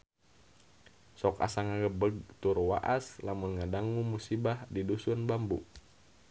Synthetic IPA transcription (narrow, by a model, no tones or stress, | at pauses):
sɔka̰saŋaɡəbəɡ̚t̪urwa̰ʔaslamunŋadaŋumusibahdidusunbambṵʔ